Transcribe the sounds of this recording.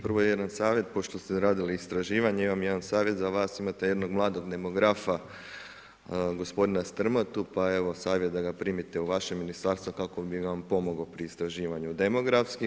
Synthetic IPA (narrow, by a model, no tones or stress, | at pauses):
pr̩ʋojejed̪ansaːʋje̞t̪̚po̞ʃt̪o̞st̪eɾaːd̪iliːst̪ɾaʒiːʋaɲeiʋamjed̪ansaːʋje̞t̪zaʋaːsimat̪eje̞d̪no̞ɡmlˠaːd̪o̞ɡd̪e̞mo̞ɡɾafa | ɡo̞spo̞d̪inast̪r̩mot̪upae̞ʋo̞saːʋjet̪d̪aɡapɾiːmit̪euʋaʃemːinist̪aɾst̪ʋokako̞biampo̞moɡopɾiːst̪ɾaʒiːʋaɲud̪e̞mo̞ɡɾafski